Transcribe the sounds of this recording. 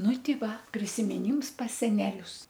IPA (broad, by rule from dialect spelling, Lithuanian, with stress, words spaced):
ˈnʊ ˈtʲɪ ˈʋɐ pʲrʲɪsʲɪmʲɪˈnʲiːms pɐs sʲɛˈnʲæːlʲʊs